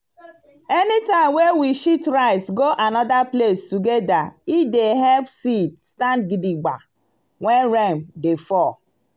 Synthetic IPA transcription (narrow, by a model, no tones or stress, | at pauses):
enitãɪ̃mwewiʃitɾaɪsɡoʔanɔdaplestuɡedaideɦɛlpsit̚stand̚ɡidiɡ͡ba̰ | ŋʷɛnɾemdefɔ